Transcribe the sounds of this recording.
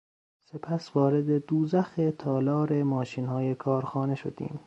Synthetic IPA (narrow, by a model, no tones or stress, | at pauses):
sepʰæsvɒːɾed̪e̞d̪uːzæxet̪ʰɒːlɒːɾemɒːʃiːnhɒːjekʰɒːɾxɒːne̞ʃod̪̥ḭːm